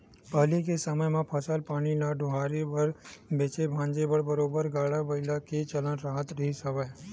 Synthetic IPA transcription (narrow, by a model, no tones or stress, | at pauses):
pəɦlikesəməjmãpʰəsəlpaːɽ̃ilaɖʱʊɦaːɾebəɾbeːt͡ʃebʱãːɲd͡ʒebəɽbəɾoːbəɾɡaːɽabɐɪlakit͡ʃələnɾaːɦət̪ɾɐɦisəʋəj